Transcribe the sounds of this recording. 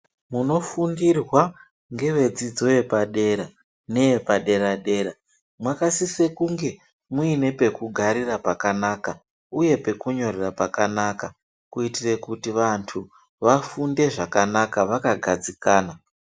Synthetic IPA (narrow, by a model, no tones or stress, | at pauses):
muno̞fundirwa | ŋɡe̞ʋe̞d͡zid͡zo̞je̞paɗe̞ɾa | ne̞epaɗe̞ɾaɗe̞ːɾa | mwakasise̞kuŋɡe̞ | muine̞pe̞kuɡʱaɾirapakanaːka | uje̞pe̞kuɲo̞ɾerapakanaka | kuitire̞kutiʋantʰu | ʋafunde̞ʐakanakaʋakaɡʱad͡zikaːna